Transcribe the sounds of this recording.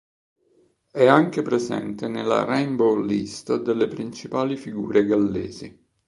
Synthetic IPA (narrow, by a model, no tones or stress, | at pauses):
ɛaŋk̟epɾezɛ̰nt̪enelːa̰rɛjmbowlːist̪ad̪elːepɾint͡ʃipaːlifiɡṵːɾʔeɡalːeːzi